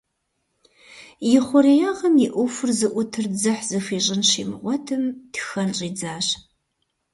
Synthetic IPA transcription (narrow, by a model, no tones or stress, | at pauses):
jɪχʷʊɾejaːʁɐmjiʔʷʊfʊrzɨʔʷʊtʰɨrd͡zɐħz̥ɨfiːɕʼɪnʃḭːmʁʷɔtʰɨmtxɐlɕʼiːd͡zaːɕ